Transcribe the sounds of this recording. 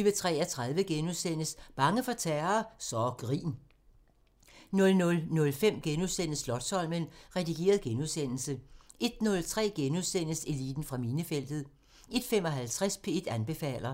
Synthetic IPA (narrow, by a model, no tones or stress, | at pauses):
ʋət͡sʰʁɛ̰ːæt͡sʰʁað̞ˠʋəɡ̥enuðˠsen̰əsb̥ɑ̈ŋəfɒ̽t͡sʰæɐːsɒɡ̥ʁḭːn | nɔ̽lnɔlnɔ̽lfem̰ɡ̥enuðˠsen̰əslɒ̽d̥sɒ̽l̰mənʁɛd̥iɡ̥e̝̰ːɐð̞ˠɡ̥enuðˠsen̰l̩səʔe̝d̥̚nɔ̽lt͡sʰʁɛ̰ːɡ̥enuðˠsen̰əse̝lḭːd̥n̩fʁɑ̈minəfel̰d̥ð̩ˠ | e̝d̥fem̰ɒ̽ɦælt͡sʰʁaspʰe̝ed̥ænb̥e̝fɛ̰ːlɐ